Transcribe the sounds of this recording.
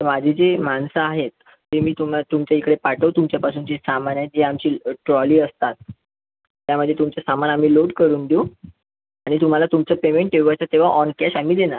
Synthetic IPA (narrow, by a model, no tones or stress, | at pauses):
əmad͡ʑʱed͡zemansəaɦet̪ː | emiːt̪um̤at̪umt͡ɕaikɽepaʈəʋt̪umt͡ɕjapasuːnd͡ʑesamanjad͡ʑeamt͡ɕiːʈɾɔliːəst̪at̪ː | jaməd̪ʱːet̪umt͡ɕasamanam̤iːloɽkəɾuːnd̪o | aɽ̃it̪um̤alat̪umt͡səpemeɳʈeuajt͡sat̪ːeʋ̤aʔɔnkɛɕamiːd̪ena